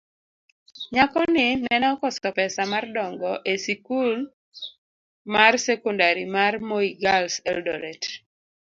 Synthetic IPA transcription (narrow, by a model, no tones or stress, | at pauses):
ɲakɔnɪnɛnɔkɔsɔpɛsamardɔŋɡɔʔesikul | marsɛkɔndaɾimarmoiɡalsɛldɔɾɛt